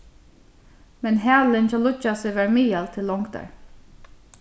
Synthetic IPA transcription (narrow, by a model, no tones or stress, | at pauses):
mɛnɦæːlɪncɔlʊt͡ʃːasɪʋæɹmiːjalt̪ʰɪlːɔŋkt̪a̰ɹ